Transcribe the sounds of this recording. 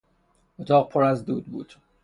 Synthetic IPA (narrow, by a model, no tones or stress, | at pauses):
ʔot̪ʰɒːʁpʰoɾæzd̪uːd̪̚bṵːd̪̥